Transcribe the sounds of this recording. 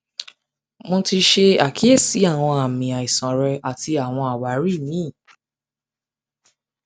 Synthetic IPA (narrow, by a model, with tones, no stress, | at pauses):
mõ˧ti˧ʃe˧a˨kʰi˨˦e˦˨si˨˦a˦˨w̃ɔ̃˧a˨mĩ˨a˨i˨sã˨ɾɛ˧a˨ti˧a˨w̃ɔ̃˧a˨wa˨˦ɾi˦˨mĩ˨˦˨